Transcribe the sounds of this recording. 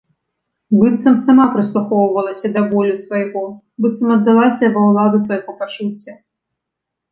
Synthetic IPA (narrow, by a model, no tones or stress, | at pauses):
bɨt̪sɐmsamapɾɨslˠuxɔwʊvɐlˠɐsʲɐd̪ɐvɔlʲʊsʋɐjɣɔ | bɨt̪sɐmɐd̪ːɨlˠasʲɐvɐwlˠad̪ʊsvɐjɣɔpat͡ʂut͡sʲːɐ